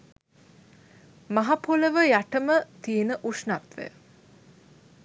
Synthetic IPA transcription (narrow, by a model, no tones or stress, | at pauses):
maɦapoləʋəjaʈəmət̪ienəʔuʂnat̪ʋḛ